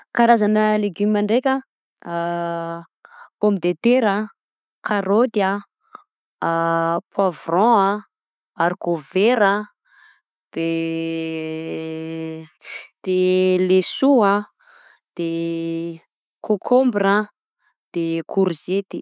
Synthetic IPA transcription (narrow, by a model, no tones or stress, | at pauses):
kaɾazanəleɡymimaɳɖ͡ʐekʲə | komid̪et̪eɾa | kʰaɾot̪ia | pʰwavrɔ̃a | aɾkoveɾa | d̪̥e | d̪̥elesua | d̪̥e | kʰokʰombra | d̪̥ekʰuɾzet̪i̥